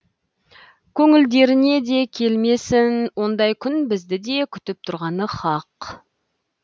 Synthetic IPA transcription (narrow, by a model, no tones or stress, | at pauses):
kʲʰɵŋɪld̪e̞ɾɪne̞d̪e̞kʲʰe̞lme̞sɪnwo̞nd̪ɑjkʲʰʏnbɪzd̪ɪd̪e̞kʲʰʏ̥t̪ɪp̚t̪ʰʊɾʁɑnəχɑq